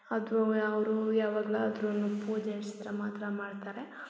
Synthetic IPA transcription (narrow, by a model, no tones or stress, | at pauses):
ɐd̪uɐʋɐɾujaːʋaːɡɐlaɐd̪ɾɐnːupuːd͡ʒest̪ɾɐmaːt̪ɾɐmaːɖt̪aːɾe̞